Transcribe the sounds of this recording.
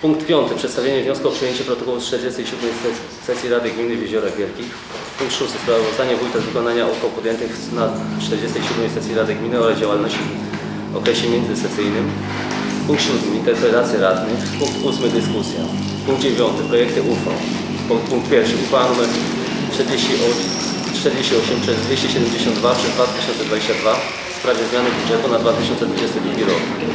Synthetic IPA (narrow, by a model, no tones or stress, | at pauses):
puŋk̚t̪pʲjɔnt̪ɘpʂɛt̪st̪avʲjeɲɛvɲɔskuɔpʂɨjeɲt͡ɕɛpɾɔt̪ɔkɔwut͡ʂt̪ɛɾd͡ʑɛst̪ɛjiɕud̪mɛjs | sɛsʲjiɾad̪ɘɡmʲinɘvʲjeʑɔɾavʲjɛlkʲix | puŋkt̪ʂust̪ɘspɾavɔzaɲɛvujt̪azvɘkɔnaɲaʔukɔwpud̪jɛnt̪ɘx | nat͡ʂt̪ɛɾd͡ʑɛst̪ɛjɕud̪mɛjsɛsʲjiɾad̪ɘɡmʲinɘɔɾazd͡ʑawalnɔɕt͡ɕi | ɔ̰kɾɛɕɛmʲjɛnzɘsɛsɘjnɘm | puŋk̚t̪ɕud̪mɘint̪ɛɾpɾɛt̪at̪sʲjɛɾad̪nɘxpuŋk̚t̪usmɘd̪ɘskusʲja̰ | puŋɡ̚d̪d͡ʑevʲjɔnt̪ɘpɾɔjɛk̚t̪ɘʔufa̰w | ɔpuŋkt̪pʲjɛɾfʂɘufaanumɛɾ | t͡ʂt̪ɛɾd͡ʑeɕt͡ɕiʔɔ | t͡ʂt̪ɛɾd͡ʑeɕt͡ɕiɔɕɛmpʂɛvʲjeɕt͡ɕiɕɛd̪ɛmd͡ʑeɕɔnd̪d̪vapʂɛzd̪vat̪ɘ̥ɕɔnt̪sɛd̪vad͡ʑeɕt͡ɕad̪va | spɾavʲjɛzmʲjanɘɡuʐɛt̪unad̪vat̪ɪɕɔnt̪sɛd̪vud͡ʑɛst̪ɛd̪ɾuɡʲiɾɔk